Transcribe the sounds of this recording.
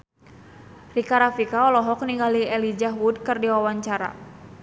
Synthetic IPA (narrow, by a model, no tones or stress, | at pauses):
rikaɾafikaɔlɔɦɔk̚niŋɡaliɛlid͡ʒaɦwud̚kɨrdiwawaɲt͡ʃaɾa̰